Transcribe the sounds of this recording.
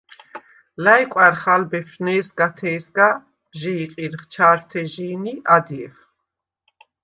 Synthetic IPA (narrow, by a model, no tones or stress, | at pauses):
lajkʼaɾχalbɛpʃnɛːsɡat̪ʰɛːsɡa | ʒiːqʼiɾχt͡ʃʰaːɾt̪ʰɛʒiːniad̪iɛf